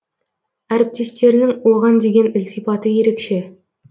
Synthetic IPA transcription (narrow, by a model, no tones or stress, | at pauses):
æɾɪp̚t̪e̞st̪e̞ɾɪnɪŋwoʁɑnd̪e̞ɡʲe̞nɪlsijfɑt̪əje̞ɾe̞kʃe̞